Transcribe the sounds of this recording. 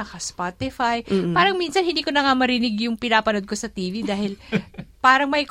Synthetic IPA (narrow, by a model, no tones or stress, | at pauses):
ɐkɐspat̪ɪfajpaːɾɐŋminsɐnhɪnd̪iːko̞nɐŋamɐɾɪnɪɡjʊŋpɪnaːpɐnod̪̚ko̞sɐt̪iːvid̪aːhɪlpaːɾɐŋmɐjk